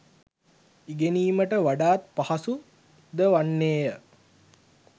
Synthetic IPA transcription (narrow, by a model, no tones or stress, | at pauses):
iɡeniːməʈəʋaɖaːt̪̚pahasu | d̪əʋanːeːjə